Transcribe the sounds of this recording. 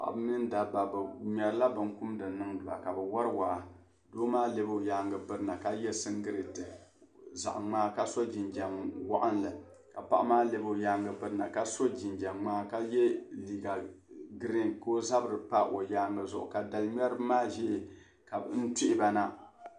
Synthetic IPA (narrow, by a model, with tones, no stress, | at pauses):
a̰˨ʔa̰˨bɨ˦nɨ˦n˦da˨ba˨bɲɛ˨ɾɨ˦la˦bɨ˨ŋ˦ku˦mdɨ˨nɨ˦ŋdɨ˨ba̰˨ka˨bɛ˨wa˦ɾɨ˦waː˨ | doː˦maː˦le˦bja˦ŋɡɨ˨pɨ˦ɾɨ˦na˨ka˦jɛ˦sɨ˦ŋɡɨ˦ɾi˨tɨ˨ | za̰˨ʔŋ͡maː˦ka˦so˦d͡ʒi˨nd͡ʒa˨mwa˦ʔa˦nlɨ˨ | ka˨pa̰˨ʔmaː˦le˦bo˦˨jaː˦ŋɡɨ˨pɨ˦ɾɨ˦na˨ka˦so˦d͡ʒi˨nd͡ʒa˨maː˦ka˦jɛ˦li˨ɡa˨ɡɨ˦ɾi˦ŋko˦za˦bɨ˨ɾɨ˨pa˦ʔo˨jaː˦ŋɡɨ˨zʊ˨ʔʊ̰˨ka˨da˨lɲɛ˦ɾɨ˦maː˦ʒɛ˦ʔ | ka˨bn̩˦tɪ˦ʔɪ˦ba˦na˦